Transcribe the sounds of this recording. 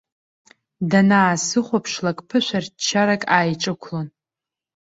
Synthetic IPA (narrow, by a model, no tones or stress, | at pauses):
danaːsɨχʷopʰʂlakʼpʰɨʃʷart͡ʃʰːaɾakʼaːjʈ͡ʂʼɨkʷʰlon